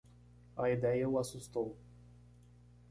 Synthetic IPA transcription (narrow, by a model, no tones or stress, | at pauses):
ɐid̪ɛjɐʊasust̪ow